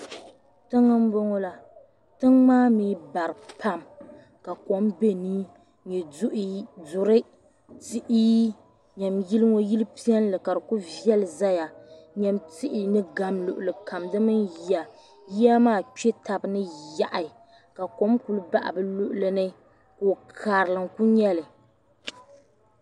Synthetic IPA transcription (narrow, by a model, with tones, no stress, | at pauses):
tɨ˦ŋːɨ˦m˦bo˦ŋɔ˦la˦ | tɨ˦ŋmaː˦miː˦ba˨ɾɨ˨pʰa˦m | ka˨ko˨˦mbe˦niː˦ | ɲɛ˨dʊ˦ʔi˦zʊ˨ɾɨ˦ | ti˦ʔiː˦ | ɲɛ˨mji˦lɨ˦ŋo˦ji˦lɨ˦pi˦ɛ˦n˦lɨ˨ka˨dɨ˨ku˦vi˦ɛ˦lɨ˨za˦ja˨ɲɛ˦mti˦ʔi˨nɨ˦ɡa˦mlʊ˨ʔʊ˨lɨ˨ka˨mdɨ˦mɨ˦nji˨˦a˨ | ji˦ja˦maː˦˨t͡ʃe˦ta˨bɨ˨˦nɨ˦ja˦ʔa˨ | ka˨ko˨˦mku˦lɨ˦ba˦ʔa̰˨bɨ˦lʊ˦ʔʊ˨lɨ˦nɨ˦ | koː˨kʰaː˨ɾɨ˨lɨ˨ŋku˦ɲɛ˦lɨ˨